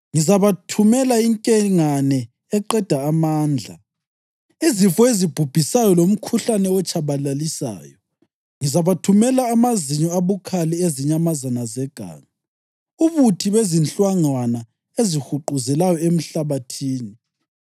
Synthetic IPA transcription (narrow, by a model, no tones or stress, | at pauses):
ŋizaβatʰumɛlaiŋkʼɛŋanɛ | ɛǃɛd̥ʱaːmaːnd͡ɮʱa̰ | izifɔezib̥ʱub̥ʱisajɔlom̩kʰuɬanɛɔt͡ʃʰʼaβalalisa̰ːjɔ | ŋizaβatʰumɛlaːmaziɲɔaβukʰalieziɲamazanazɛɡ̥ʱa̰ːŋa | uβutʰiβezint͡ɬʼwaŋ͡ǀwana | ezixuǃuzɛlajɔem̩ɬaβatʰiːni